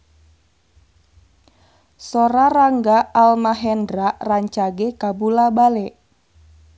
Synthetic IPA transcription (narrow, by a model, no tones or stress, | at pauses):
soɾaraŋɡaalmaɦɛndɾaʔraɲt͡ʃaɡekabulabalɛʔ